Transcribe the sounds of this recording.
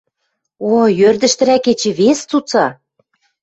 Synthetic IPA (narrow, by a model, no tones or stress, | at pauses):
ojørd̪ə̆ʃt̪ɘ̆ɾæket͡ɕĕβest͡sut͡sɑ